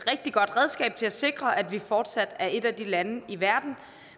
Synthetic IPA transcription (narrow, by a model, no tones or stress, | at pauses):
ʁɛɡ̥̚d̥iɡ̥ɒ̽d̥ʁɛðˠsɡ̥ɛ̰ːb̥̚t͡sʰe̝læse̝ɡ̥ʁɐʔæd̥ʋifɒːd̥sæd̥æɐʔe̝d̥æd̥ilænəiʋæɐd̥n̩